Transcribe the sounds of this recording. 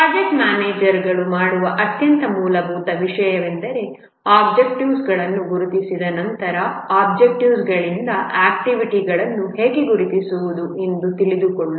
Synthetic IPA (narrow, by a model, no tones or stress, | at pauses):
bɐd͡ʒeʈmjaːneːd͡ʒɐɾɡɐɭumaːɽuʋɐʔɐt̪jɐnt̪ɐmuːlɐbʱuːt̪ɐʋiʂɐjɐʋend̪ɐɾe̞ | aːbd͡ʒekʈiʋsɡɐɭɐnːuɡuɾut̪isid̪ɐnɐnt̪ɐɾɐaːbd͡ʒek̚ʈiʋsɡɐɭind̪ɐaːk̚ʈiʋiʈiɡɐɭɐnːuɦeːɡeɡuɾut̪isuʋud̪uʔe̞nd̪ut̪iɭid̪ukoɭːu